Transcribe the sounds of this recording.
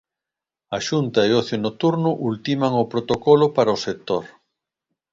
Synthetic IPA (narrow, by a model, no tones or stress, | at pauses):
aʃunt̪ɐeoθjonot̪uɾnʊʔult̪imaŋopɾot̪okɔlʊpaɾɐosek̚t̪oɾ